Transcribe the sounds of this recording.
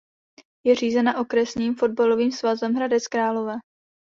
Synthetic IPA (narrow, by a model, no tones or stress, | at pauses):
jɛr̝iːzɛnaʔo̞kɾɛsɲiːmfo̞d̚balo̞viːmsvazɛmɦɾadɛt͡skɾaːlo̞vɛː